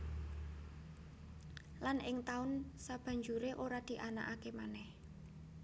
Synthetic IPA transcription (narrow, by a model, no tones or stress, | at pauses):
lanɪŋt̪aʊnsab̥a̤ɲd͡ʒuɾeʔoɾad̪̥i̤ʔana̰ʔakemanɛh